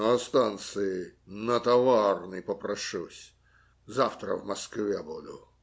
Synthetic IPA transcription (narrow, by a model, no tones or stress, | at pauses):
ɐst̪ant̪sɨɪnət̪ɐvarnɨjpəpɾɐʂusʲ | zaft̪ɾə̰vmɐskvʲebud̪ʊ